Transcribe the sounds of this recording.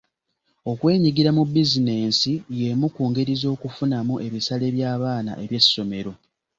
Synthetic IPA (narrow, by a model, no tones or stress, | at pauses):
o̞kwe̞ːɲiɡiɾamubːizine̞ːnsije̞mukuːŋɡe̞ɾizo̞ːkufunamuʔe̞βisale̞βjaːβaːna̰ʔe̞βje̞sːo̞me̞ɾo̞